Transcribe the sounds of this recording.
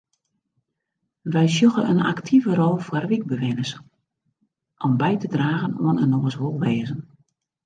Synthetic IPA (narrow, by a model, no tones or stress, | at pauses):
ʋɛjs̬joxəəna̰ktʰivəɾɔlˠfwərʋik̚bəʋɪnəs | ʔɔmbɛjtədraːɣənoənənɔəsɦolˠʋɛːzən